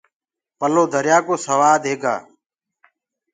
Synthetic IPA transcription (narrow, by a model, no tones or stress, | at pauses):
pəloːd̪ʱəɾjaːkoːsəʋaːd̪ɦeːɡa̰ː